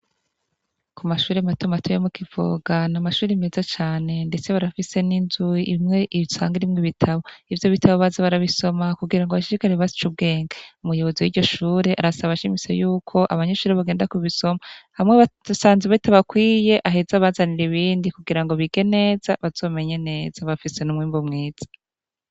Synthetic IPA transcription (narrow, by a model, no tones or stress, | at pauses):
kumaʃuːɾematumatʰojemukivo̰ːɡanamaʃuːɾime̞ːzat͡ʃaːne̞nde̞t͡se̞βaɾafise̞ninzujiʔimŋe̞ʔiisa̰ːŋɡiɾimŋiβitʰaβo̞ivjo̞βitʰaβo̞βazaβaɾaβiso̞makuɡiɾaŋɡoβaʃiɾikaɾeβazi̥t͡ʃub̚ɡe̞ːŋɡaumujo̞βo̞ziwiːɟo̞ʃuːɾe̞ʔaɾasaβaʃimisḛjuːkʰo̞ʔaβaɲe̞ʃuːɾeβaɡeːndakuβiso̞mahamŋeβasaːnzeβaitaβakwiːje̞ʔaɦe̞zaβazaniɾiβiːndikuɡiɾaŋɡo̞βiɡ̥e̞ne̞ːz̥aβaz̥o̞ːme̞ɲe̞ne̞ːz̥aβafise̞numŋiːmbumŋiːz̥ḁ